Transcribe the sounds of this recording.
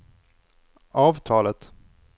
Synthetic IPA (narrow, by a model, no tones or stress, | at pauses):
ɑːvt̪ʰɑːlət̪